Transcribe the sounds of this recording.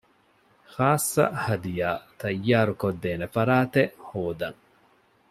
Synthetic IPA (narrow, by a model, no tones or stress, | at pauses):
xaːsːɐ̰hɐd̪ijaːt̪ɐjːaːɾukod̪ːeːnefɐɾaːt̪ehoːd̪ɐŋ